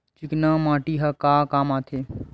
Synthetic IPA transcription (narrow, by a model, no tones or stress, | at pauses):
t͡ʃiknamãːʈiɦɐkaːkaːmaːt̪ʰeː